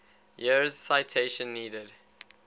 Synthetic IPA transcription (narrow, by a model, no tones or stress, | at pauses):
jizsaɪtʰeɪʃə̃nːiːdəd